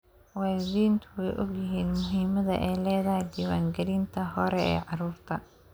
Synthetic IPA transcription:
wɑːlɪðiːnt̪ʰʊwɛjʔɔɡjɪɦiːnmʊɦiːmɐðɐ̰ʔɛjlɛːðɐɦjd̪iːwaːŋɡɐɾiːnt̪ʰɐɦɔɾɛɛ̰ːʕɑruːrt̪ʰɐ

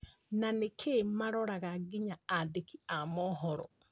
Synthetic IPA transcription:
nanekʰemaɾɔɾaɣaɡiɲaːdekiamɔɦɔɾɔ̰

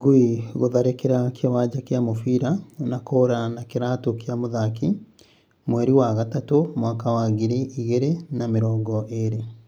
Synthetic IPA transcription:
ɡoiɣoðaɾekeɾakʰewaːɟakeamofiɾanakoːɾanakeɾaːtokiamoðaki | mwɛɾiwaɣatatomwakawaɣiɾiʔiɣeɾenameɾɔːŋɡɔʔeɾe

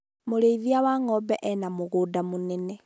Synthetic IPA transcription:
moɾeiðiawaŋɔbɛʔɛnamoɣodamonɛnɛ

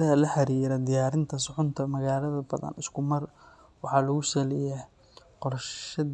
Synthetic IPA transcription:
ɐɦɐlɐħɑɾiːɾɐd̪ɪjaːɾɪnt̪ʰɐsʊʕʊnt̪ʰɐmɐɣaːlɐðɐbɐ̰ðɐ̰nʔɪskʰʊmɐr | wɑħɑlɐɣʊsɐlɛja | qɔrʃɐ

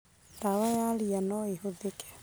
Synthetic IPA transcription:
ndawajalianɔehoðekɛ̥

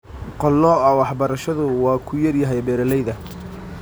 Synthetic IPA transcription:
qɔlːɔɐwɑħbɐɾɐʃɐðʊwɑːkʰʊjɐrjɐɦɛjbɛːɾɐlɛjðɐ

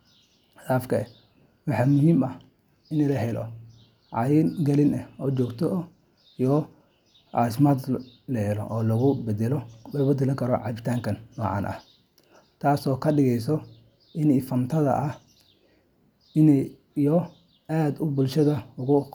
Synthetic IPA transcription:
daːfkʰɐɛ | wɑħɑːmʊɦiːmɐh | ɪnɛlɐɦɛlɔ̰ | ʕɑ̰jɪnɡɐlɪnɛɔːt͡ʃɔːɡt̪ʰɔ | ijɔ | ʔɑːs̬maːd̪lɐhɛlɔ̰ʔɔːlɐɣʊbɛd̪ɛlɔlɛbɛd̪ɛlɐŋkʰɐɾɔʕɑ̰βɪt̪ʰaːŋkʰɐnːɔːʕɑ̰ːnʔɐ̰h | t̪ʰaːsɔːkʰɐɖɪɣɛjs̬ɔ | ʔɪnɪfɐnt̪ʰɐðɐ̰ʔɐh | ɪnɛj | ijɔ | aːd̪ʊbʊlʃɐðɐʊɣʊ

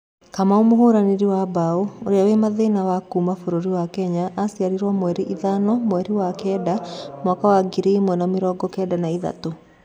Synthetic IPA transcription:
kamaomoɦoɾaneɾiwabaooɾeawemaðenawakuːmafoɾoɾiwakɛɲaʔːsjaɾiɾwamwɛɾiʔiðanɔmwɛɾiwakɛːdamwakawaɡiɾeimwɛnameɾɔːɡɔkɛːdanaiða̰to

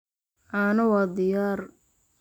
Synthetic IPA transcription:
ʔanɐwɑːd̪ɪjaːr

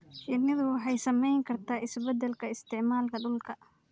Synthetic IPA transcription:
ʃɪnɪðʊwɑħɑjsɐmɛjŋkʰɐrt̪ʰaːʔɪsbɛd̪ɛlkʰɐɪst̪ʰɪʕmaːlkʰɐɖʊlkʰɐ

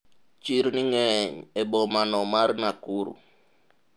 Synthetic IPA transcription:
t͡ʃiɾniŋɛɲɛbɔmanɔmaɾnakuɾṵ

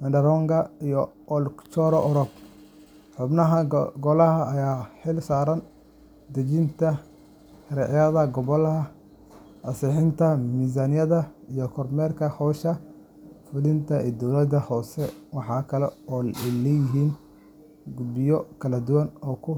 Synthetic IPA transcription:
mɐndɐɾɔŋɡɐijɔʔɔlkt͡ʃɔɾɔʔɔɾɔb̚ | ħʊbnɐɦɐɡɔlɐɦɐːjaːħɪlsaːɾɐn | d̪ɐt͡ʃɪnt̪ʰɐ | ɾɛʕjɐðɐɡɔβɔlɐɦɐ | ɐsɛħɪnt̪ʰɐmiːz̬ɐnɪjɐðɐijɔkʰɔrmɛːrkʰɐhɔːʃɐ | fʊlɪnt̪ʰɐɛːd̪ɔwlɐd̪ɐhɔːsɛwɑħɑːkʰɐlɛɔːlɛjɪɦiːn | ɡʊbɪjɔkʰɐlɐd̪ʊwɐnɔːkʰʊ

